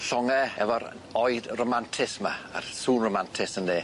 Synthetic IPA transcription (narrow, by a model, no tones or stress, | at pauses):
ɬɔŋɛɛ̰vɔɾ̰ | ɔɨdromantʰɪsma̰a̰rsuːnromantʰɪsəndeː